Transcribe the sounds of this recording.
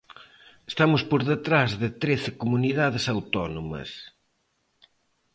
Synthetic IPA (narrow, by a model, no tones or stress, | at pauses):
est̪amʊspoɾðet̪ɾazðɪt̪ɾeθɪkomuniðaðɪsawt̪ɔnomɐ̰s